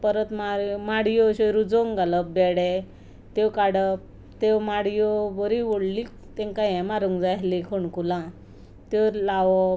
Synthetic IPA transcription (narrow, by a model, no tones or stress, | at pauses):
pəɾət̪maɾmaɽjoɕoɾud͡zɔŋɡaləbɛɽe | t̪ewkaɽəp̚ | t̪ewmaɽjobɔɾiʋoɽlik | t̪ẽŋkajɛ̃maɾuŋɡd͡zaɦlikʰoɳkulã | t̪elaʋɔ